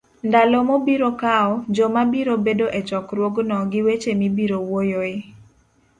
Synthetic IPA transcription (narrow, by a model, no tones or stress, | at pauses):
ndalɔmobiɾokaɔd͡ʒɔmabiɾobedoʔet͡ʃɔkɾwoɡnɔɡɪwet͡ʃemibiɾowojoe